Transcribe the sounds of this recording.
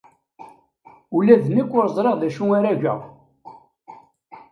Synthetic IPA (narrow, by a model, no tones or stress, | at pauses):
ulæðnikʷːʊɾzˤɾeʁðæʃuŋaɾæʝæ̰